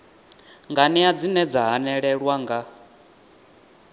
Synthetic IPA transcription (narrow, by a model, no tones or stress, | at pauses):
ŋɡanɛad͡zinɛd͡zaɦanɛɺɛɺwaŋɡa